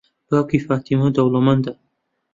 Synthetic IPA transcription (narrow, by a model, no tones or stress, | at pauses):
baːkifaːt̪imod̪ɐwlomɐnd̪a